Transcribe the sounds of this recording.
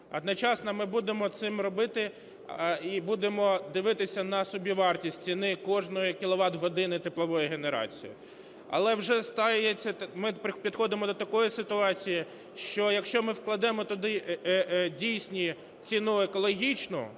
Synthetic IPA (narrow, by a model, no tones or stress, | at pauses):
ɐd̪nɔt͡ʃɑsnɐmɪbud̪emɔt̪sɪmrɔbɪt̪ɪ | ibud̪emɔd̪ɪʋɪt̪ɪsʲɐnɐsʊbʲiʋɑrtʲisʲtʲt͡sʲinɪkɔʒnɔjikʲilˠɔʋɑd̪ɦɔd̪ɪnɪt̪eplˠɔʋɔjiɦeneɾɑ̰t͡sʲḭjḭ | ɐ̰lˠɛwʒɛst̪ɑjet͡sʲːɐmɪpɪpʲid̪xɔd̪ɪmɔd̪ɔt̪ɐkɔjisɪt̪ʊɑt͡sʲiji | ʃt͡ʃɔjɐkʃt͡ʃɔmɪwklˠɐd̪ɛmɔt̪ʊd̪ɪ | dʲijsʲnʲi | t͡sʲinuekɔlˠɔɦʲit͡ʃnʊ̰